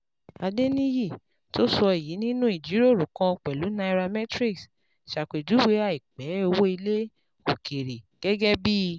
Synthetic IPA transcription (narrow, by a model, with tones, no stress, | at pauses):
a˧de˦nĩ˦ji˦˨ | to˦sɔ˧i˨ji˨˦nĩ˦nũ˦i˦˨d͡ʒi˨˦ɾo˦˨ɾũ˨kã˧ɔ˧k͡pɛ˨lu˨˦na˧i˧ɾa˧mɛ˦tɾi˦ks | ʃa˨k͡pe˨du˨˦we˦a˧˨i˨k͡pɛ˨˦o˧wo˦i˧le˦ | o˨ke˨ɾe˨ɡ̥ɛ˦ɡɛ˦bi˦˧